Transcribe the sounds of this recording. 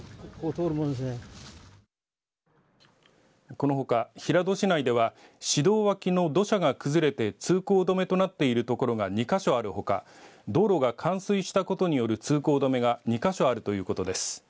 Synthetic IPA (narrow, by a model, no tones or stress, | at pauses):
koːt̪oːɾɯmõnd̪es̬ne | ko̞no̞ɦo̞kaçiɾad̪o̞ɕinaid̪e̞βaɕid̪o̞ːβakʲino̞d̪o̞ɕaɡakɯ̟zɨɾe̞t̪e̞t͡sɨːko̞ːd̪o̞me̞t̪o̞nat̪ːe̞iɾɯ̟t̪o̞ko̞ɾo̞ɡaɲ̟ikaɕo̞aɾɯ̟ho̞ka̰d̪o̞ːɾo̞ɡakʰãɰ̃sɨiɕi̥t̪ako̞t̪o̞ɲ̟ijo̞ɾɯ̟t͡sɨːko̞ːd̪o̞me̞ɡaɲ̟ikaɕo̞aɾɯ̟t̪o̞jɯ̟ːko̞t̪o̞d̪e̞sɨ̥